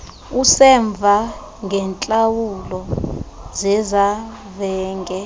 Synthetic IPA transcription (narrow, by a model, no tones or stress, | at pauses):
usɛɱb̪vʱa | ŋʱɛnt͡ɬʼawulɔ | zɛza | vɛːŋʱɛ